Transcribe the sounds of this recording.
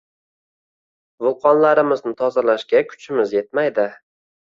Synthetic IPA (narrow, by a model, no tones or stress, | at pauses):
vʊlˠqʰɒnlaɾɪmɪznɪt̪ʰɒzalaʃkʲakʰʊ̥t͡ʃʰɪmɪzje̞t̪̚majd̪ɪ